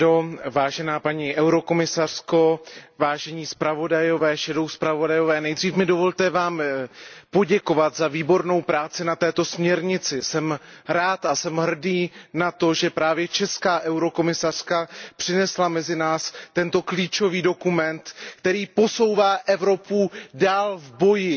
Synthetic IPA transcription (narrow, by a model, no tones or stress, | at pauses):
ovaːʒɛnaːpaɲiːʔɛwɾo̞ko̞mɪsar̝̥ko̞vaːʒɛɲiːspɾavo̞dajo̞vɛːʃɛdo̞wspɾavo̞dajo̞vɛːnɛjdriːfmɪdo̞vo̞lt̪ɛvaːm | po̞ɟɛko̞vat̪zaviːbo̞ɾno̞wpɾaːt͡sɪnat̪ɛːt̪o̞smɲɛɾɲɪt͡sɪsɛmɾaːt̪asɛmɦr̩diːnat̪o̞ʒɛpɾaːvjɛt͡ʃɛskaːʔɛwɾo̞ko̞mɪsar̝̥kapr̝̥ɪnɛslamɛzɪnaːst̪ɛnt̪o̞kliːt͡ʃo̞viːdo̞kumɛnt̪kt̪ɛɾiːpo̞so̞wvaːʔɛvɾo̞pudaːlvbo̞jɪ